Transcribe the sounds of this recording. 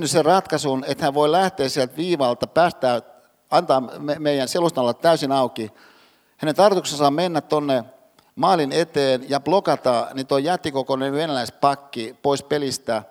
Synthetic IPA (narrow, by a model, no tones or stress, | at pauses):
nysserɑt̪kɑsunet̪hæʋʋoilæht̪eːssielt̪ʋiːʋɑlt̪ɑpæːst̪æː | ɑnt̪ɑːemeijˑænselust̪ɑlːɑt̪t̪æysinɑuki | hænent̪ɑrt̪uksensɑmmenːæt̪t̪onːe | mɑːlinet̪eːnjɑplokɑt̪ɑnit̪oijæt̪ːikokoneʋʋenælæispɑkːipoispelist̪æ